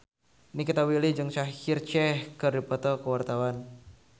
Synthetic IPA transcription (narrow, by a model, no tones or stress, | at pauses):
nikit̪awilid͡ʒɨŋsahhirt͡ʃɛhkərdipɔt̪ɔkəwart̪awan